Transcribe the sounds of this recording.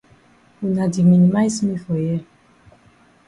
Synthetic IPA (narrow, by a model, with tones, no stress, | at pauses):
u˨na˨di˨mi˨ni˨ma˦jsmi˦fɔ˨jɛ˦